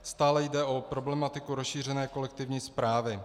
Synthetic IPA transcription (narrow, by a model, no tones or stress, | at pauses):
st̪aːlɛjdɛʔo̞pɾo̞blɛmat̪ɪkuɾosʃiːr̝ɛnɛːko̞lɛk̚t̪ɪvɲiːspɾaːvɪ